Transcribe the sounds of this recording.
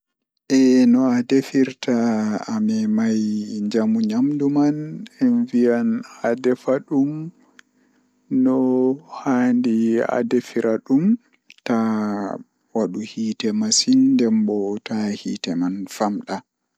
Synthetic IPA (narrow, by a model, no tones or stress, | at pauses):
ʔɛnɔadefiɾtʰaːmɛmajɲd͡ʒamuɲamdumanɛnvijanadɛfaɗum | nːɔhaːndia̰defiɾʔaɗum | ta | waɗuhiːtɛmasindɛmbɔtahḭtɛmanfamɗa